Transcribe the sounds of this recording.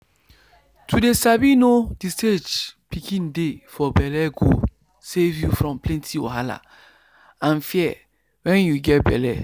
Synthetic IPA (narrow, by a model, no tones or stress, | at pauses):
tʰudesabinodisted͡ʒpikʰĩndefɔbɛlɛɡo̰ | sevjufɹɔ̃mplɛ̃ntʰio̰ɦala̰ | ãnfiɛ | wɛ̃njuɡɛt̚bɛ̰lɛ̰